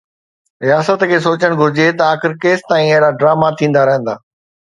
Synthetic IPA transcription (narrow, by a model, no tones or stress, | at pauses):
ɾijaːsət̪kʰeːsoːt͡ɕəɽ̃ɡʱʊɾɪd͡ʑet̪ɐaːxɪɾkeːst̪aːĩɐɦɾaɖɾaːmat̪ʰĩːnd̪aɾɐɦə̃nd̪aː